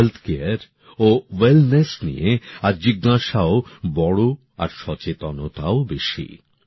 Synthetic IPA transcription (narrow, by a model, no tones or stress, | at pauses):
elt̪ʰkeaɾ | owelnesnḭeaɾd͡ʑiɡːaʃaobɔɽo | a̰ɾʃɔt͡ɕet̪onot̪aobeʃḭ